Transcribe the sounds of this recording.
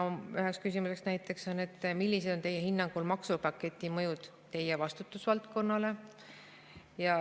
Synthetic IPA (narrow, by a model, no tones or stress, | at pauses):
yɦe̞kskysʲimuse̞ksnæjt̪ːˑe̞kso̞nːe̞t̪ːˑmilʲːise̞d̪̥o̞nt̪e̞jehinːɑŋɡ̥ulmɑksupɑkːˑe̞t̪ʲːˑimɤjud̪̥ | t̪ːe̞jevɑst̪ut̪ːˑusvɑlt̪̚ko̞nːɑle̞ | jɑ